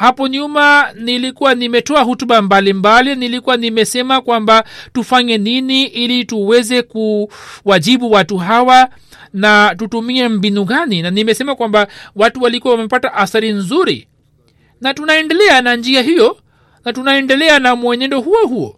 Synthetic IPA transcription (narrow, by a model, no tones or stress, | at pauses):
hapɔɲumanilikuwanimɛtɔaɦutuɓambalimbalinilikuwanimɛsɛmakwambatufaɲɛniniʔilituwɛzɛkuwaʄiɓuwatuɦawa | natutumiɛm̩binuɣaninanimɛsɛmakwambawatuwalikuwawamɛpataʔaθaɾinzuɾḭ | natunaɛndɛlɛanand͡ʒiaɦijɔ | natunaɛndɛlɛanamwɛɲɛndɔɦuɔhuɔ̰